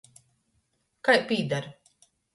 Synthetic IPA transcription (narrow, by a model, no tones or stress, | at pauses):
kajpiːd̪aɾ